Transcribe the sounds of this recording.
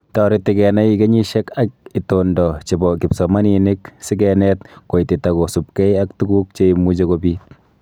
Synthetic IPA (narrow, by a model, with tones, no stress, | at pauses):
tɔɾɪ˦tːɪ˨kɛ˨na˦ike˦ɲi˦ʃɛ˦ka˦k̚i˨tondɔ˨t͡ʃe˨bɔ˨kɪ˨psɔ˨ma˦ni˨nɪ˦ksɪ˦kɛnɛ˦tko˨iti˨ta˨ko˨su˨p̚kɛ˦ja˦k̚tu˦ɡu˦k̚t͡ʃeimu˦d͡ʒe˦kobi˦t̚